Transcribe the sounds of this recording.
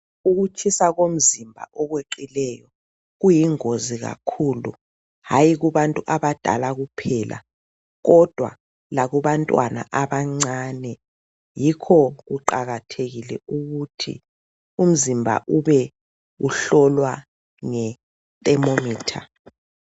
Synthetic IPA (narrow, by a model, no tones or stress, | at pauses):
uɣut͡ʃʰisaɣom̩zimbʱa̰ʔɔɣweǃilɛjɔ | ɣujiŋoziɣa̰kʰulṵ | hajiɣuβantʼuʔaβad̥ʱa̰laɣupʰɛːlʔa̰ | ɣɔd̥ʱwa̰ | laɣuβantʼwana̰ʔaβaŋ͡ǀaːnɛ | jikʰɔɣuǃaɣatʰeɣilɛuɣutʰḭ | um̩zimbʱa̰ʔuβɛ | ɣuɬɔlwa | ŋɛ | tʼɛmomiːtʰa̰